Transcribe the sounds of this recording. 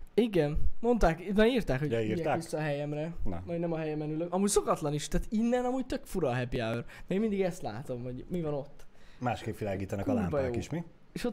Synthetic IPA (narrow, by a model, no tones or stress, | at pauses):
iɡɛnmo̞nt̪aːknɒiːrt̪aːkhoiiɛaissːɒːɦɛjɛmrɛnɛ̰mnɛmɒɦɛjɛmɛnyløkɒmuːɟso̞kɒt̪lɒniʃt̪aːt̪inːɛnɒmuːɟ̚t̪økfuɾɒːɦɛpiaøreːnmind̪iɡɛst̪la̰ːt̪o̞mho̞ɟmivɒno̞t̪ːmaːʃkeːpʋilaːɡiːt̪ɛnɛkɒlaɾːmbɒjoːkiʃmi | eːʃot̪